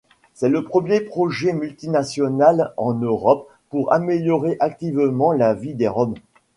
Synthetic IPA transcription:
sɛləpχəmjepχɔʒɛmylt̪inasjɔnalɑ̃nøʁɔpː | uʁa̰meljɔʁeʔak̚t̪ivmɑ̃lavid̪eʁɔm

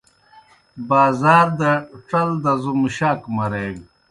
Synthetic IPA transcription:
baːzaːɾd̪ɐʈ͡ʂɐld̪ɐzumɕaːkmɐɾeːɡ

